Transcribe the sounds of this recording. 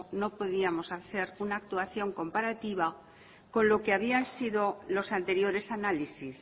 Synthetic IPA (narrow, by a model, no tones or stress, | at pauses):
no̞po̞ðiamo̞saθe̞ɾunaːk̚t̪uaθjo̞ŋko̞mpaɾat̪iβ̞a | ko̞nlo̞keaβiansiðo̞lo̞sant̪e̞ɾjo̞ɾe̞sanalisis